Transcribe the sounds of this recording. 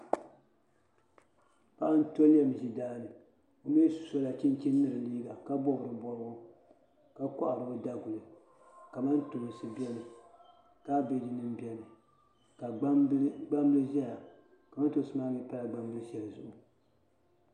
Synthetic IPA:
pa˦ʔa˦n̩˦to˦lɛ˨m˨ʒi˨daː˦nɨ˨ | o˨m˦e˦su̥˨so˦la˨t͡ʃi˦nt͡ʃi˦nː˦ɨ˦ɾɨ˨liː˦ba˨ka˦bɔ˦bɨ˨ɾɨ˨bɔ˦ɾɡʊ˦ | ka˦kɔ̰˦ʔa˨ɾɨ˨bɨ˦da˦ɡu˨lɨ˨ | ka˨ma˦n˦tu˨lɨ˨sɨ˨bi˦ɛ˦lɨ˨ | ka˦be˨di˨nɨ˦mbɛ˨lɨ˨ | ka˨˦ɡ͡ba˦mbɨ˦lɨ˦ʒɛ˦la˨ | ka˨ma˦n˦to˦sɨ˦maː˦mi˦pa˦la˨ɡ͡ba˦mbɨ˦lɨ˦ʒɛ˨la˨zʊ˨ʔʊ˨

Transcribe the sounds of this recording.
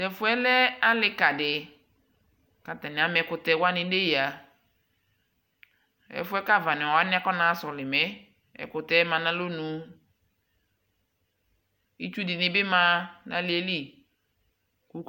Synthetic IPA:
ɛ˨fʊ˦ɛ˦lɛ˦a˦lɪ˦ka˨dɪ˨ | ka˨ta˨nɪ̃˨a˨m˨ɛ˨˦kʊ˨tɛ˦˨wa˦nɪ̃˨de˦ji˨a˨ | ɛ̰˨fʊ˦ɛ˦ka˦˨va˨nɪ˨ɔ˨a˦nɪ̃˦a˦kɔ˦nã˨˦sɔ˨lɪ˨mɛ˦ | ɛ̰˨kʊ˨tɛ˦mã˨nã˦lo˦nũ˨˦ | i˦t͡ʃu˦dɪ˨nɪ˦bɪ˦mã˦nã̰˦lɪ˨˦ɛ˦li˦ | ku˦

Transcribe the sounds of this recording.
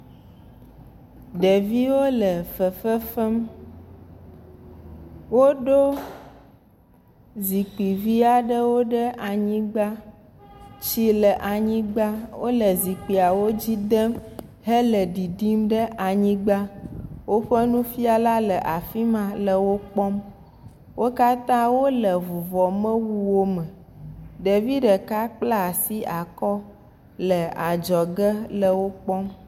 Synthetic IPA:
ɖə˨vi˦wo˦lə˨fə˨fə˦fə˦m | wo˦ɖo˦ | zi˨k͡pi˨vi˦a˨ɖə˦wo˦ɖə˦ʔa˨ɲĩ˦ɡ͡ba˦ | t͡ɕi˦lə˨ʔa˨ɲĩ˦ɡ͡ba˦wo˦lə˨zi˨k͡pi˨a˨wo˦d͡ʑi˦d̪ə˦m | ɦə˦lə˨ɖi˨ɖi˦mɖə˦ʔa˨ɲĩ˦ɡ͡ba˦wo˦ɸə˦nũ˦fi˦a˨la˦lə˨ʔa˨fi˦mã˨lə˨wo˦k͡pɔ˦m | wo˦ka˦t̪ã˦wo˦lə˨vu˨vɔ˨mə̃˦wu˦wo˦mə̃˨ | ɖe˨vi˦ɖə˨ka˦k͡pla˦˨si˦a˨kɔ˦ | lə˨a˨d͡ʒɔ˨ɡə˦lə˨wo˦k͡pɔ˦m

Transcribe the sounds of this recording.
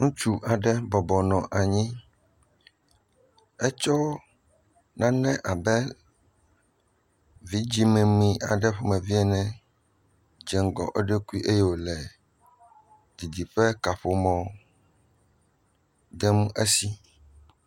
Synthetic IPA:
ŋũ˦t͡ʃu˦ʔa˨ɖɛ˦bɔ˨bɔ˨nɔ̃˨ʔa˨ɲĩ˦ | ɛ˦t͡ʃɔ˦ | nã˦nɛ̃˦ʔa˨bɛ˦ | vi˦d͡ʑi˦mẽ˨mĩ˨ʔa̰˨ɖɛ˦ɸo˦mɛ̃˨vi˦ɛ˦nɛ̃˨ | d͡ʒɛ˨ŋ˨ɡɔ̰˨ʔe˦ɖe˦ku˦i˦ʔe˦jɛ˦wo˨lɛ˨ | d̪i˨d̪i˨ɸɛ˦ka˨ɸo˨mɔ̃˨˦ | d̪ɛ˦mũ˦ʔe˦si˦

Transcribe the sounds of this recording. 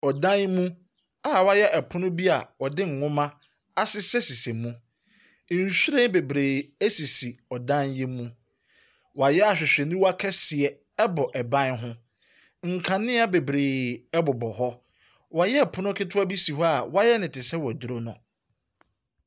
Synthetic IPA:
ɔ˨dã˦nmũ˦ | a˨wa˦jɛ˦ʔɛ˨pʰʊ̃˦nʊ̃˦bi˦a˨wɔ˨dɪ̃˦ŋ̩˨ŋʊ̃˦mã˦ | a˦sɪ˦sɛ˦si˨se˨mũ˦˨ | ɕᶣi˦ɾẽ˦n˦be˨bɾeː˨æ˦si˨si˨ɔ˨dã˦njɛ˦mũ˦ | wa˨jɛ˦a˨ɕᶣɪ˨ɕᶣɛ˨nĩ˦wa˦kʰɛ˦sɪ˨ɛ˨ | ɛ˦bɔ˨ʔɛ˨bã˦nɦʊ̃˦ | ŋ̩˨kʰã˨nɪ̃˦a˦be˨bɾeː˨ɛ˦bʊ˨bɔ˨ɦɔ˦ | wa˨jɛ˦ɛ˨pʰʊ˦nʊ̃˦kʰɪ˦tʰʊ˦a˦bi˦si˨ɦɔ˦a˨wa˦jɛ˦nɪ̃˨tʰɪ˨sɛ˦wɔ˨dɾo˦nʊ̃˨

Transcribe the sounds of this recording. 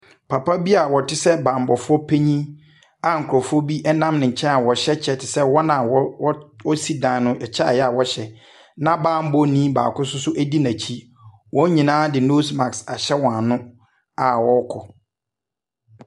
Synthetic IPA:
pʰa˨pʰa˦bi˦a˨wɔ˨tʰɪ˦sɛ˦bã˨m˨bɔ˨fʊ˦ɔ˦pʰe˦ɲĩ˦ | a˨ŋ̩˨kʰɾɔ˨fʊ˦ɔ˦bi˦ʔɛ˦nã˦mnɪ̃˨ɲ̩˨t͡ɕʰɛ̃˦na˨wɔ˨ɕɛ˦t͡ɕʰɛ˦tʰɪ˨sɛ˦wɔ˦nã˨wɔ˦wɔ˦si˦dã˨nʊ̃˦ʔɛ˨t͡ɕʰɛ˦a˨jɛ˦a˨wɔ˦ɕɛ˨ | nã˦bãː˦m̩˦bɔ˦nĩː˦ba̰ː˨kʊ˦sʊ˦sʊ˦ʔæ˦di˦nã˨t͡ɕʰi˦ | wɔ̃˦ɲĩ˨nãː˦dɪ˨no˦sma˨ksa˨ɕɛ˦wɔ̃˨nʊ̃˦ | a˨wɔ˦kʰɔ˨

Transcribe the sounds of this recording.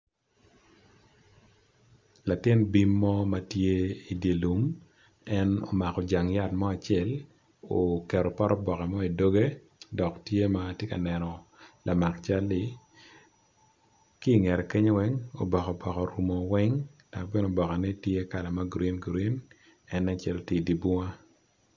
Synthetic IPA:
la˨tɪ˦nbi˦mːɔ˦ma˨tje˦i˨dje˨lu˨m | ɛ˦no̰˨ma˨kɔ˨d͡ʒa˨ŋja˦tmɔ˦a˨t͡ʃɛ˨l | o˨kɛ˨ɾɔ˨pɔ˦ɾɔ˦bɔ˨kɛ˨mɔ˦i˨do˦ɡe˦ | dɔ˨ktje˦matje˦ka̰˨nɛ˨nɔ˨lʔa˨ma˨kt͡ʃa˦lːɪ˦ | kiː˦˨ŋɛ˨ɾɛ˨ke˦ɲ˦wɛ˦ŋo̰˨bɔ˨kɔ˨bɔ˨kɔ˨ɾu˨mɔ˨wɛ˦ŋd̥a˨kbɪ˦no˨bɔ˨ka˨nɛ˦tje˦ka˨la˨ma˦ɡɾi˦nɡɾi˦n | ɛ˦nɛ˦t͡ʃɛ˦˨lo˨ti˦˨di˨bu˦ŋa˦

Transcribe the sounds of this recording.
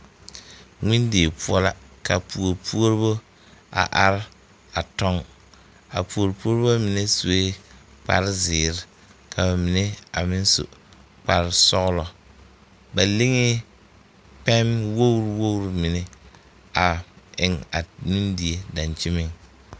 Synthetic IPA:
ŋɪ˦ndi˨e˨pʰu˦ɔ˦la˦ka˨pu˨o˨ɾpu˦o˦ɾbo˦ | a̰˨ʔa˨ɾɪ˦ | a˨tɔ˦ŋ | a̰˨pu˨o˨ɾpu˦o˦ɾbo˦mɪ˨ne˦su˨e˦ | k͡pa̰˨ɾɪ˦zɪː˨ɾɪ˨ | kʰa˨ba˨mɪ˨ne˦a̰˨mɪ˦n˦sʊ̰˨ | k͡pa˨ɾsɔ˦ɣlɔ˨ | ba˨li˦ŋɪ˦ | pɛ˦mwo˦wɾwo˦wɾmɪ˨nɛ˦ | a˨ɪ˨ŋa˨ŋi˦ndi˨e˨da˨nt͡ʃɪ˦mɪ˦ŋ

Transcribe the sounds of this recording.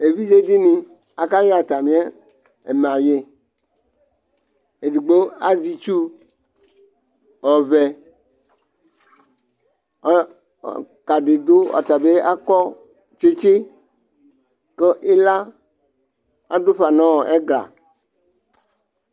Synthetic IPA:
e˨vi˦d͡ʒe˦di˦nĩ˨ | a˨ka˦je˦a˨t̪a˨mĩ˦a˦ | ḛ˨m˨ã˨je˦ | e˨di˨ɡ͡bo˦a̰˨zi˦t͡ʃu˦ | ɔ˨vɛ˨˦˨ | ka˨ɖe˨d̪o˦a̰˨t̪a˨be˦a˦kɔ˦ | t͡ʃe˦t͡ʃe˦ | ke˦ʔe˦la˦ | a̰˨do˦ɸa˨nã˦wɔ˨ʔe˦ɡla̰˨

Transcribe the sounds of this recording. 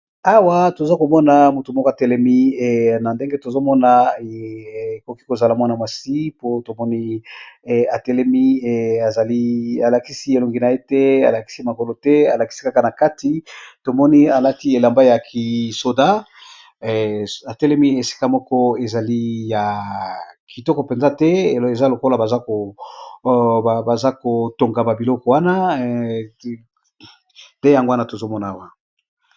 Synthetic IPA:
a˦wa˦to˨za˦ko˨mɔ˦na˨mu˨tu˨mɔ˦kɔ˦˨tɛ˦lɛ˦mi˦˨na˨nde˦ŋɡe˦to˨zo˦mɔ˦na˨ | ko˨ki˦ko˨za˨la˨mwa˦na˨ma˨si˦po˦to˨mɔ˦ni˦˨ | a˨tɛ˦lɛ˦mi˦˨a˨za˨li˦a˨la˨ki˦si˦e˨lo˨ŋɡi˨na˨e˦tɛ˦a̰˨la˨ki˦si˦ma˨ko˨lo˨tɛ˦a˨la˨ki̥˦si̥˦ka˦ka˨na˨ka˦ti˨to˨mɔ˦ni˦a˨la˦ti˦e˨la˨mba˦ja˨kʰi˨so˨da˦˨ | a˨tɛ˦lɛ˦mi˦e˨si̥˦ka˦mɔ˦kɔ˦e˨za˨li˦ja˨ | ki˨tɔ˦kɔ˨pe˨nza˦tɛ˦˨e˨za˦lo˨ko˦la˨ba˨za˦ko˨ | a˨ba˨za˦ko˨to˨ŋɡa˨ba˨bi˨lɔ˦kɔ˨˦wa˦na˦ | nde˦ja˨ŋɡo˦wa˦na˦to˨zo˦mɔ˦na˨a˨wa˨

